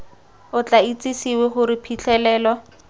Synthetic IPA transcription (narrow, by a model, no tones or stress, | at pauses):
ʊt͡ɬait͡sisiwɛχʊɾɪpʰit͡ɬʰɛlɛːlɔ